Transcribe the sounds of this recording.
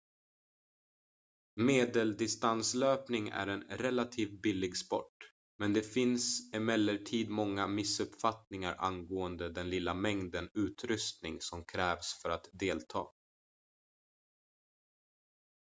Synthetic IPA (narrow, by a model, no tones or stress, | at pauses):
meːd̪əld̪ɪst̪ansløːpnɪŋæ̰ɾɛnɾɛlat̪ʰiːvbɪlːɪɡspɔ̰ʈː | mɛnd̪ɛfɪnsɪmɛlːəʈʰiːd̪mɔŋːamɪsɵpfat̪nɪŋa̰ɾʔa̰nɡoːənd̪əd̪ɛnlɪlːamɛŋd̪ənʉ̟ːt̪ɾɵst̪nɪŋsɔmkʰɾɛːvsfœɾat̪d̪eːlt̪ʰɑ̰ː